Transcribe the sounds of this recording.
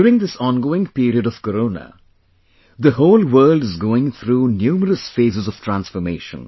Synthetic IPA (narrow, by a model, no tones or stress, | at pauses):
uːɾɪ̃ŋd̪ɪsɔ̃ːnɡoːɪ̃ŋpiːɾiəɖɔʋ̥kəɾoːnə̰ | d̪əhoːlwəːlɖɪzɡoːɪ̃ŋt̪ʰɾuːnjuːməɾəsfeːzɪzɔʋ̥ʈʰɾæ̃nsfɔmeːʃə̰̃n